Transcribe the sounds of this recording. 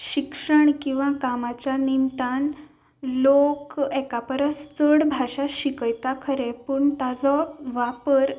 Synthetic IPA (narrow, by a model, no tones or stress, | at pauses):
ɕikʂəɳkĩw̃ʋãkamat͡ɕjanint̪an | lokɛkapəɾəst͡səɽbʱaɕaɕikəjt̪akʰəɾepəɳt̪ad͡zɔʋapəɾ